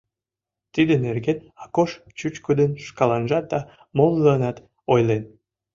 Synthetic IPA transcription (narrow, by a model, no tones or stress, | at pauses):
t̪id̪enerɡenɑkoʃ | t͡ɕut͡ɕkud̪ənʃkɑlɑnʒɑt̪̚d̪ɑ | molˠːəːnɑt̪ | ojlen